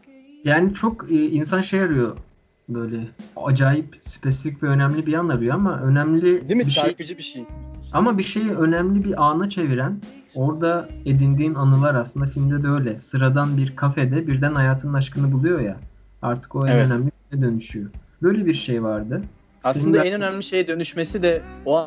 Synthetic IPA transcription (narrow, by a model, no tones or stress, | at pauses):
jaːnit͡ʃʰo̞kɯːins̬anʃe̞jaɾɯjo̞ | bø̞jlʲɛa̰d͡ʒaːjipspʰe̞sificʲvɛø̞næmlʲibijanaɾɯjo̞amaʔø̞næmlʲid̪ibit͡ʃʃd͡ʒbiʃeamabiʃe̞jø̞næmlʲibiʔaːnat͡ʃʰe̞viɾæn | o̞ɾd̪ae̞d̪ind̪iːnanɯlˠaɾaslˠɯnd̪afilʲmd̪ɛd̪ɛø̞jlʲɛsɯɾad̪anbiɾkʰafɛd̪ɛbiɾd̪ænhajaːt̪ʰɯnɯnaʃkɯnɯbulˠujo̞ja | a̰ɾt̪ʰɯ̥ko̞ɛnønæmlʲifilʲd̪ɛd̪ø̞nyʃyjob̥ø̞jlʲebiɾʃejvaɾd̪ɯ | asllˠɯnaɛnønæmlʲiʃe̞jid̪ø̞nyʃmesid̪ɛo